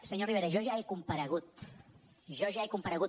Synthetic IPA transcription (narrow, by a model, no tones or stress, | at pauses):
səɲoriβeɾəʒɔʒaekumpəɾəɣ̞ut̪ | ʒɔʒaekumpəɾəɣu